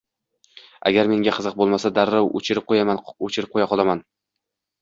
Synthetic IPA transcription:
a̰ɡʲaɾme̞ŋɡʲaqʰɨzɨq̚bolˠmasad̪aɾːawo̰t͡ʃʰɪɾɪp̚qʰojamaot͡ʃʰɪɾɪp̚qʰojaqʰɒlˠaman

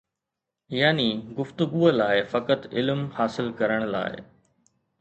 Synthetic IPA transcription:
jaːniɡʊft̪ʊɡuːəlaːɪfɐkət̪ɪlmhaːsɪlkɐɾəɽ̃la̰ːɪ̰

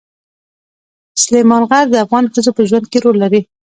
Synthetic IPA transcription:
slejmɑnɣaɾd̪əafɣɑnxəzopəʒwand̪̚keɾolːaɾi

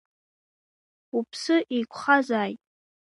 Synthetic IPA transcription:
upʰsɨʔijkʷʰʼχazaːjtʼ

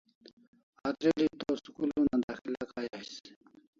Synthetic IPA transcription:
aːt̪ɾilit̪osukulunand̪axilakaːjas

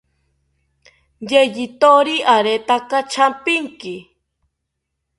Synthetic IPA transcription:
jejit̪oɾiʔaɾet̪akat͡ʃʰampɪŋkɪ

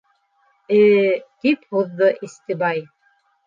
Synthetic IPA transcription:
ɘt̪iphuðːɤʔist̪ɘbɑj

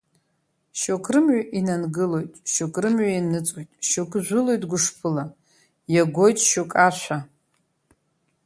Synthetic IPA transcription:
ʃokʰrɨmʕaʔinanɡɨlo̞jtʼʃokʼrɨmʕainɨt͡sʼwojtʼʃokʰʼʒʷʊlo̞jtʼɡʷʊʂpʰɨla | jaɡʷo̞jtʼʃokʼaʃʷʰa

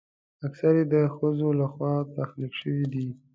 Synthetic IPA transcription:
aksaɾed̪əxəzolaxwɑt̪axlikʃəwid̪i

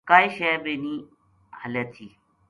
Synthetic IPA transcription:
kaːiʃebeːniː | həleːt̪ʰiː

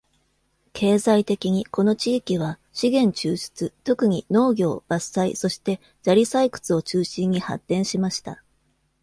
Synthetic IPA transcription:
kʰe̞ːzait̪e̞kʲiɲ̟iko̞no̞t͡ɕiːkʲiβ̞a | ɕiɡẽ̞ɲ̟t͡ɕɨːɕi̥t͡sɨt̪o̞kɯ̟ɲ̟ino̞ːɡʲo̞ːb̥asaḭso̞ɕi̥t̪e̞ | d͡ʑaɾʲisaikɯ̟̥t͡sɨo̞t͡ɕɨːɕĩɲ̟ːiha̰t̪ːẽ̞ɰ̃ɕimaɕi̥t̪a̰

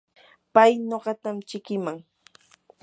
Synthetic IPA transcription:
pajɲoɢɑt̪amt͡ʃɪkɪmaŋ

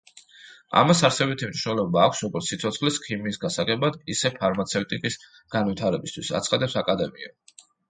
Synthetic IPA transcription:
a̰masaɾsɛbit̪ʰimniʃwnɛlˠɔbaːkʷʰsɾɔɡɔɾt̪ssit̪sʰɔt̪sʰχlɛskʰimiːsɡasaɡɛbad̪isɛpʰaɾmat̪sʰɛwt̪ʼikʼis | ɡ̥anwit̪ʰaɾɛbist̪ʰwisa̰t̪sʰχad̪ɛpsakʼad̪ɛmia̰

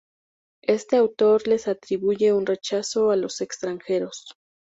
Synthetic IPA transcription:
est̪eawt̪oɾle̞sat̪ɾiβuʝeunret͡ʃasoalosekst̪ɾaŋxeɾos

